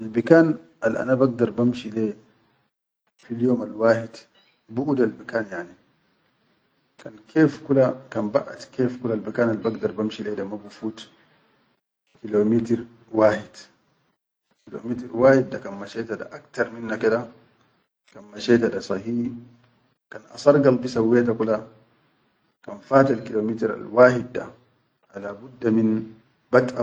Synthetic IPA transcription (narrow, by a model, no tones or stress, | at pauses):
ʔalbikan | alʔa̰nabaɡ̚daɾbamʃilɛ | filijomalwaːhid | buʔudalbikanjani | kankʰɛːfkulakanba̰ʔa̰tkɛːfkulalbikaːnalbaɡ̚daɾbamʃilɛdamabufut | kilomitɾ | waːhid | kilo̰mitiɾwaːhiddakanmaʃɛːtaɗa̰ʔakt̪aɾminːakɛɗa | kanmaʃɛːtaɗasˤɑhiː | kanʔa̰sɑɾɡalbisawɛːt̬akula | kanfaːtalkilomitiɾa̰lwaːhid̪̚da̰ | halaːbudːamin | bata